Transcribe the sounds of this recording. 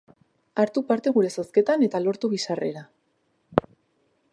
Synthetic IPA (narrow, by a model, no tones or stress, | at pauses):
aɾt̪upaɾt̪e̞ɣ̞uɾe̞saske̞t̪ane̞t̪alo̞ɾt̪uɣisare̞̰ɾa